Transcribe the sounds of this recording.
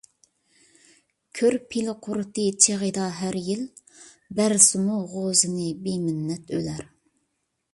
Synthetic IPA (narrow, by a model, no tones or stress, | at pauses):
kʲʰøɾpʰilɨqʰʊɾt̪ɨt͡ʃʰeʁəd̪ɑɦæɾjil | bæɾsɨmuʁozɨnɨbemɪnːɛt̪ʰølæɾ